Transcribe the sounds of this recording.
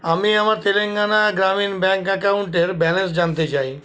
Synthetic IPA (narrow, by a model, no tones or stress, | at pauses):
amiamaɾt̪ʰeleŋɡanaɡɾaminbɛ̃ŋkɛkauɳʈeɾbɛlẽns̬d͡ʑant̪et͡ɕai